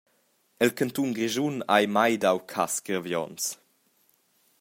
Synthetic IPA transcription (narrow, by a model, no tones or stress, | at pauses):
ɛlkant̪unɡɾiʒunajmajdawkʰasɡəɾvjɔ̰ns